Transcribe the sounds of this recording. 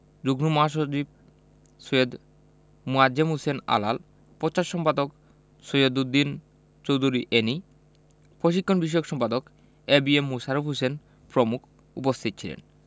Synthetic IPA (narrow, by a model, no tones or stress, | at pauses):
d͡ʑuɡnumoɦaʃ̬ot͡ɕib̚ | sojod̪ | muad͡ʑemɦusena̰la̰l | pɔt͡ɕaʃːɔmpad̪ok | sojod̪ud̪ːin | t͡ɕowd̪ʱuɾiʔeni | poʃ̬ikʰːonbiʃ̬ɔjokʃɔmpad̪ok | ebiemːusaɾufɦusen | pɾomukʰ | upost̪ʰit̪̚ːt͡ɕʰilḛn